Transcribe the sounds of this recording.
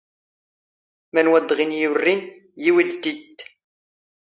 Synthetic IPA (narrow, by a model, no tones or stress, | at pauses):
mænwæd̪ʁinjurːin | jiwid̪t̪ːid̪